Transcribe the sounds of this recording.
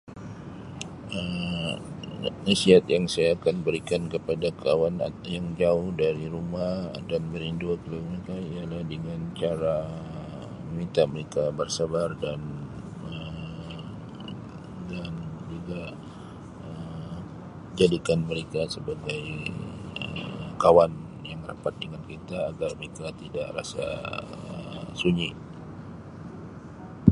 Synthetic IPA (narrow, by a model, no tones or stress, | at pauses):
ə | isiat̪jaŋsajaːkanbəɾikankəpadakawana̰jaŋd͡ʒaʊhdaɾiɾumahdanbəɾinduakluməɾekaialahdəŋant͡ʃaɾa | mit̪aməɾekabərsabardan | ə | dand͡ʒuɡa | ə | d͡ʒadikanməɾekasəbaɡaj | ə̰kawan | jaŋra̰pat̪̚dəŋankit̪aːɡarməɾekat̪idaʔra̰sa̰ə̰suɲi